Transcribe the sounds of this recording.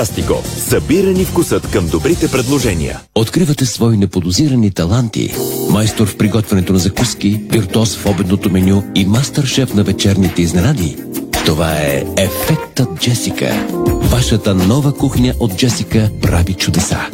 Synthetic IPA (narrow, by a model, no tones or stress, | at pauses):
ast̪ikɔ̰sɐbiɾənifkʊsɤt̪kəmd̪obɾit̪ɛpɾɛd̪lˠoʒɛnḭjə̰ | ot̪kɾivət̪ɛsvɔinɛpod̪ʊziɾənit̪ɐlˠant̪ḭmajst̪oɾfpɾiɡɔt̪vɐnɛt̪onɐzɐkuskibiɾt̪ɔsfɔbɛd̪not̪omɛnʲuimast̪əɾʃɛfnɐvɛt͡ʃɛɾnit̪ɛiznɛnad̪i | ft̪ovaɛɛfɛk̚t̪ət̪̚d͡ʒɛsikə̰vaʃət̪ənɔvəkuxnʲəʔot̪̚d͡ʒɛsikəpɾavit͡ʃud̪ɛsa̰